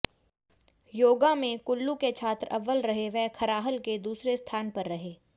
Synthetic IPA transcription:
joːɡamẽkʊlːuket͡ʃʰaːt̪ɾɐʋːəlɾɐɦeʋɛɦkʰɐɾaːɦəlked̪uːsɾest̪ʰaːnpɐɾːɐɦeː

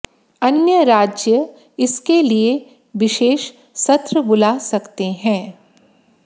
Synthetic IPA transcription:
ɐnjəɾaːd͡ʒjə | ɪskelie | ʋɪʃeːʃ | sɐt̪ɾəbʊlasɐkt̪eɦɛ̃ː

